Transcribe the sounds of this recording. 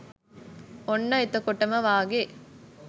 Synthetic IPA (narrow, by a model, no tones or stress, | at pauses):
onːɐit̪ɐkoʈːɐmɐʋaːɡe